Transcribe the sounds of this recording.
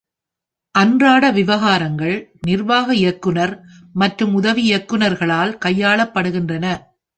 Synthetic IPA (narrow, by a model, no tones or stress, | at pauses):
ʔɐndraːɽɐʋɪʋɐɣaːɾɐŋɡɐɭnɪrʋaːɣɐɪjɐkːɯnɐɾ | mɐʈrɯmʊðɐʋiɪjɐkːɯnɐɾɣɐɭaːlkɐjːaːɭɐpːɐɽɯɣɪndrɐnɐ